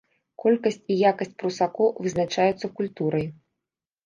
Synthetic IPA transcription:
kɔlʲkɐsʲt͡sʲijakɐsʲt͡sʲpɾusakɔvɨznat͡ʂajut̪sːɐkulʲt̪uɾɐj

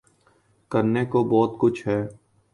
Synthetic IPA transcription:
kəɾnekobɔːt̪kʊt͡ʃʰɦɛː

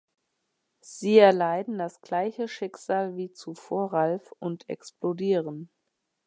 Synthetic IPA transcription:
z̥iːɛɐlaɪdn̩dasɡ̥laɪçəʃɪkz̥aːlviːt͡sufoːɐʁalfʊntʰɛ̰ksplodiːʁən

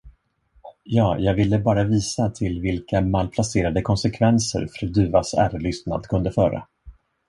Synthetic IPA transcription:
jɑːjɑːɡvɪlːəbɑːɾaviːsat̪ʰɪlvɪlkamalpʰlaseːɾad̪əkʰɔnsɛkʰvɛnsə̰ɾfɾœd̪ʉ̟ːvasæ̰ːɾlʏst̪na̰d̪kʰɵnd̪əfœːɾa̰

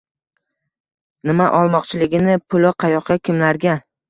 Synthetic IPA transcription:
nɪmaʔɒlˠmɒqt͡ʃʰɪlɪɡʲɪnɪpʰʊlˠɒqʰɑjɒqʰːɑkʲʰɪmlaɾɡʲa

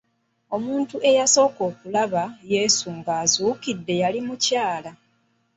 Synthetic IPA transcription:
o̞muːntuʔe̞jaso̞ːko̞ːkulaβaje̞ːsuŋɡaːzuːkidːe̞jalimucaːla

